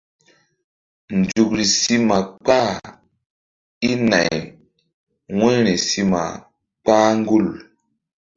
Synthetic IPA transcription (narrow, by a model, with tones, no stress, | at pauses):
n˨d͡zu˨kɾi˨si˦ma˨k͡pa˦ | i˦na̰˨j | wu˦ɾi˨si˦ma̰˨ | k͡pa˦ŋ˦ɡu˦˨l